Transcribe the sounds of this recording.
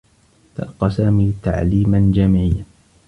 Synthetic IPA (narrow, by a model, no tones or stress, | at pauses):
t̪a̰lqɑsaːmiːt̪a̰ʕliːmand͡ʒamʕɪjːa